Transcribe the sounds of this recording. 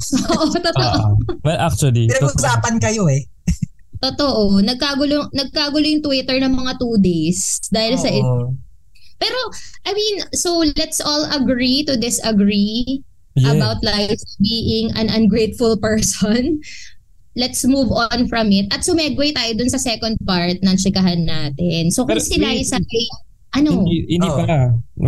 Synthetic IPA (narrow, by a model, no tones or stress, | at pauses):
ʔoʔot̪ot̪oʔowɛlʔak̚t͡ʃuɐlinɐʊsaːpɐnkɐjoɛ | t̪ot̪oʔonɐɡ̚kaɡʊlonɐɡ̚kaɡʊlojʊŋt̪wɪt̪ɛɹnɐŋmɐŋat̪uːd̪ejsd̪aːhɪlsɐʔɪ | pɛːɾoʔɐjmĩnsolɛt̪sʔolɐɡɹit̪ʊd̪ɪsɐɡɹi | jɐɛbawt̪̚lajfbiːʔɪŋɐ̰̃nʔɐ̃nɡɹejt̪̚fʊlpɛɹsɔn | lɛt̪smuvɔnfɹɐmɪt̪̚ɐt̪̚sʊmɛɡwejt̪aːjod̪ʊnsɐsɛkõnd̪̚paɹt̪̚nɐŋt͡ʃɪkɐɦanːaːt̪ɪnsokʊŋsɪlajsɐɐj | ʔɐnoɪ̰̃nd̪ipɐa